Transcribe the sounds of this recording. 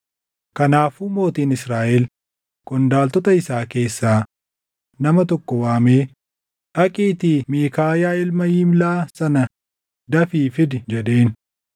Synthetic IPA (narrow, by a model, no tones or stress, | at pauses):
kɐnaːfumo̞ːt̪iːnɪsɾaːʔɛl | kʼɔnd̪aːlt̪ɔt̪ɐɪsaːke̞ːsːaː | nɐmɐt̪ɔkːɔwaːmeː | ʔɐkʼiːt̪iːmeːkaːjaːɪlmɐjɪmlaːsɐnɐ | d̪ɐfiːfɪd̪ɪd͡ʒɛᶑ̪e̞ːn